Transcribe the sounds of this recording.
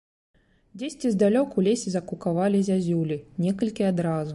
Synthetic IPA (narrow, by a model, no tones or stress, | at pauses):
d͡zʲesʲt͡sʲizd̪alʲɔkulʲesʲizɐkukavalʲizʲazʲulʲinʲɛkɐlʲkʲiad̪ɾazu